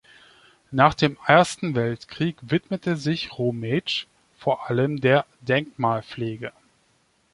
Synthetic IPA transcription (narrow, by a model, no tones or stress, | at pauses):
naːχd̥eːmʔeːɐstn̩vɛltkʁ̥iːkvɪtmətʰəzɪçʁoːmɛt͡ʃ | foːɐʔaləmdeːɐdɛŋkmaːlpleːɡə